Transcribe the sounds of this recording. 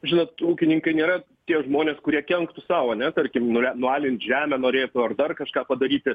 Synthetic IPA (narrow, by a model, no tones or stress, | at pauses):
ʒʲɪnot̪uːkʲɪnʲɪŋkɐɪnʲeːɾɐ | t̪ʲiɛʒmoːnʲeːskʊɾʲiɛkʲɛŋkt̪ʊsɑːʋɐnʲɛt̪ɐrʲkʲɪmnʊɛnʊɑːlʲɪnʲt̪ʒʲæːmʲɛnoːɾʲeːjt̪ʊɐrd̪ɐrkɐʃkɑːpɐd̪ɐɾʲiːt̪ʲɪ